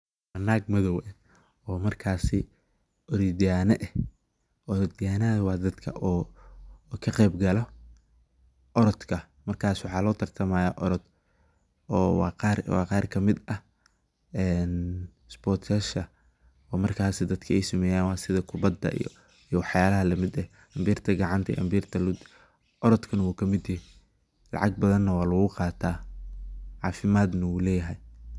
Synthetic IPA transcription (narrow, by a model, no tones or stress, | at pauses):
ɐnaːɡmɐðɔwɛn | ɔːmɐrkʰaːsɪ | ʔɔɾɪd̪ɪjaːnɐʔɛ | ʔɔɾɪd̪ɪjaːnɐðɐwɑːd̪ɐd̪kʰɐʔɔː | kʰɐqɛːbɡɐlɔ | ʔɔɾɔd̪kʰɐ | mɐrkʰaːswɑħɑːlɔːt̪ʰɐrt̪ʰɐmaːjaːʔɔɾɔd̪ | wɑqɑːrwɑ̰ːqɑːrkʰɐmɪd̪ɐ | ɛːn | sbɔːrt̪ʰɐʃɐ | ɔːmɐrkʰaːsɪd̪ɐd̪kʰɐɛjsɐmɛːjaːnwɑːsɪðɐkʰʊbɐd̪ːɐ̰ʔ | ijwɑħjaːlɐɦɐlɐmɪd̪ɛ | ʔɐmbiːrt̪ʰɐɡɑʕɑnt̪ʰɐɛ̰ʔɐ̰mbiːrt̪ʰɐlʊd̪ | ʔɔɾɔd̪kʰɐnɐwuːkʰɐmɪd̪jɪɦɛ | lɑ̰ʕɑɡ̚bɐðɐnːɐwɑːlɐɣʊqɑːt̪ʰaː | ʕɑ̰ːfɪmaːd̪nɐuːlɛːjɐɦɛj